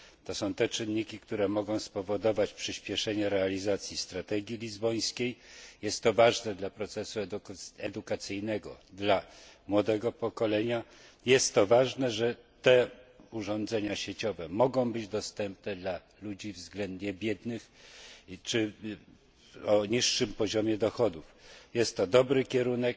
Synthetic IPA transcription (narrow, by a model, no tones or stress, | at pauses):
t̪ɔsɔ̃w̃t̪ɛt͡ʂɘnːikʲikt̪uɾɛmɔɡɔ̃w̃spɔvɔd̪ɔvat͡ɕpʂɘɕpʲjɛʂɛɲɛɾɛalʲizat̪sʲjist̪ɾat̪ɛɡʲjilʲizbɔj̃skʲejjɛst̪ːɔvaʐnɛd̪lapɾɔt̪sɛsuɛd̪ukat̪sɘjnɛɡɔd̪la | mwɔd̪ɛɡɔpɔkɔlɛɲa | jɛst̪ːɔvaʐnɛʐɛt̪ɛuʐɔnd̪zɛɲaɕet͡ɕɔvɛmɔɡɔ̃w̃bɘd͡ʑd̪ɔst̪ɛmpnɛd̪la | lud͡ʑivzɡlɛnd̪ɲɛbʲjɛd̪nɘx | t͡ʂɘ | ɔɲiʂːɘmpɔʑɔmʲjɛd̪ɔxɔd̪ufjɛst̪ːɔd̪ɔbɾɘkʲɛɾunɛk̚